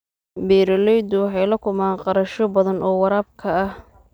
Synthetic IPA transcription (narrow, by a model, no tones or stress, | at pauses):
bɛːɾɐlɛjd̪ʊwħɑjlɐkʰʊmaːnqɑɾɐʃɔbɐðɐnʔɔːwɑɾaːb̚kʰɐɐh